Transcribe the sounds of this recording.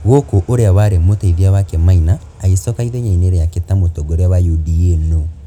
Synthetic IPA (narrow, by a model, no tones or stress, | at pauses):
ɣokoʔoɾeawaɾemotaiðiawakɛmainaː | ɣesɔkaiɾeɲaineɾejaketamotoɡoɾeawajudienɔ